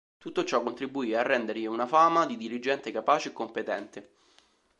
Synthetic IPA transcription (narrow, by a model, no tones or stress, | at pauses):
t̪ut̪ːot͡ʃɔkːont̪ɾibːuiːarːɛnd̪erʎiunafaːmad̪id̪iɾid͡ʒɛnt̪ekapaːt͡ʃeekːompet̪ɛnt̪e